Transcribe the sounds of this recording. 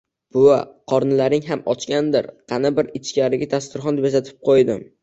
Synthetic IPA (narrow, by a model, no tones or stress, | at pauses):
b̥ʊa̰qʰɒɾnɪlaɾɪŋɦamɒt͡ʃkʲand̪ɪɾqʰɑnabɪɾɪt͡ʃkʲaɾɪɡʲat̪ʰast̪ɪɾχɒnd̪ebjasat̪ʰɪ̥p̚qʰojd̪ɪm